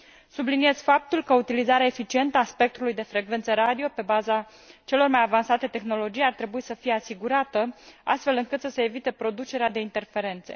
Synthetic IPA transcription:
sublinije̞zʲfap̚t̪ulkəut̪ilizaɾeaefit͡ʃie̞nt̪əaspe̞k̚t̪ulujd̪e̞fɾe̞ɡve̞nt̪səɾad̪io̞pe̞baza | t͡ʃe̞lo̞rmajavansat̪e̞t̪e̞xno̞lo̞d͡ʒijart̪ɾe̞buisəfije̞asiɡuɾat̪əa̰st̪fe̞lɨŋkɨt̪səse̞ːvit̪e̞pɾo̞d̪ut͡ʃe̞ɾead̪e̞int̪e̞rfe̞ɾe̞nt̪se̞̰

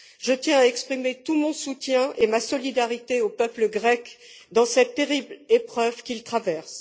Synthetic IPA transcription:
ʒ̥ət̪jɛ̃aɛkspχimet̪umɔ̃sut̪jɛ̃ʔemasɔlid̪aʁit̪eopœpləɡʁɛk | d̪ɑ̃sɛt̪ːeʁiblepχœvkʲilt̪χavɛʁs

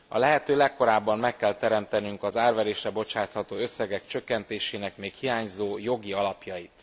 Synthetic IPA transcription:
ɒ̰lɛɦɛt̪øːlɛkːo̞ɾaːbːɒmmɛkːɛlt̪ɛɾɛmt̪ɛnyŋkɒzaːrvɛɾeːʃrɛbo̞t͡ʃaːt̪hɒt̪oːø̞sːɛɡɛkt͡ʃø̞kːɛnt̪eːʃeːnɛkmeːkhijaːɲzoːjo̞ɡiɒlɒpjɒjit̪

